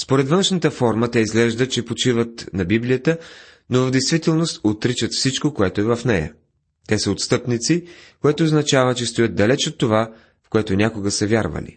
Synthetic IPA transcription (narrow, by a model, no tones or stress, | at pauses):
spoɾɛt̪vənʃnət̪əfɔɾmət̪ɛizɡlɛʒd̪ət͡ʃɛpot͡ʃivət̪nɐbiblijət̪ə | novəvd̪ɛjst̪vit̪ɛlˠnost̪ot̪ɾit͡ʃət̪fsit͡ʃkokoɛt̪ʊɛvəfnɛjə̰ | t̪ɛsəot̪st̪ɤpnit̪sikoɛt̪oːznɐt͡ʃavət͡ʃɛst̪ojəd̪̚d̪ɐlɛt͡ʃot̪ːova | fkoɛt̪onʲakoɡəsəvʲjaɾvə̰lḭ